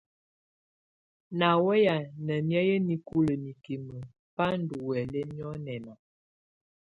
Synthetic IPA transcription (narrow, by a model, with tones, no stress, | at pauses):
na˨wɛ˦ja˨nə˨mja˦jə˦ni˦ku˦lə˨mi˨ki˨mə˨ | pa˦n˦du˨wɛ˨lɛ˦mjɔ˦nɛ˨na˨